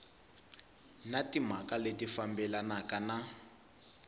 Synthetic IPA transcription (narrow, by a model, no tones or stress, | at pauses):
natim̤akaletifambɛlanakana